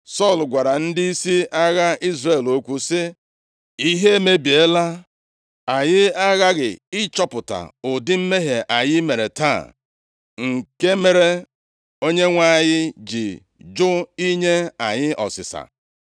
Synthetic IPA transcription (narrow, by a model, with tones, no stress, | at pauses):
sɔ˦˨lɡʷa˨ɾa˨n̩˦dɪ˦i˦si˦a˦ɣa˦i˦zre˨lo˦kʷu˦sɪ˦ | i˦ɦe˦e˦me˦bi˨e˦la˦ | a˨ɲɪ˦a˦ɣa˦ɡɪ˨ɪ˦t͡ʃɔ˦pʊ˨ta̰˨ʊ˨dɪ˦m̩˦me˦ɦe˨ʔa˨ɲɪ˦me˨ɾe˨ta̰˦˨ | ŋ̩˨ke˦me˦ɾe˦ | o˦ɲe˦ŋʷa˦˨ɲɪ˦d͡ʒɪ˨ | d͡ʒʊ˦i˦ɲe˦a˨ɲɪ˦ʔɔ̰˨sɪ̰˨sa̰˨